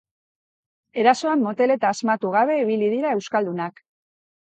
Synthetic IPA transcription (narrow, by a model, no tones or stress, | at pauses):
e̞ɾaso̞amːo̞t̪e̞le̞t̪aːzmat̪uɣ̞aβ̞e̞iβilið̞iɾae̞wskald̪unak